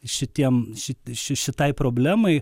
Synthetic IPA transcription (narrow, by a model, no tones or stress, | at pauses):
ʃʲɪt̪ʲiɛmʃʲɪtʲʃʲɪʃʲɪt̪ɐɪpɾoːbʲlʲæːmɐɪ